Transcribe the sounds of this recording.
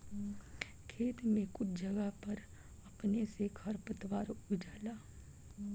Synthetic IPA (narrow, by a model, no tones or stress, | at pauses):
kʰeːt̪mẽkʊt͡ʃʰd͡ʒɐɡəɦpɐɾ | ɐpnesekʰɐɾpət̪waːɾʊd͡ʒaːlaː